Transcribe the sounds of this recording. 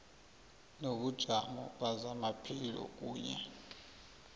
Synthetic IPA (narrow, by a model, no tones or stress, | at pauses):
noɓud̥ʒ̥ʱamɔɓazamapʰilɔ̰k̬uːɲɛ̰